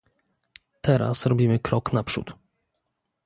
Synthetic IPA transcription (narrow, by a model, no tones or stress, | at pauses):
t̪ʰɛɾa̰sɾɔbʲimɘkɾɔknapʂṵt̪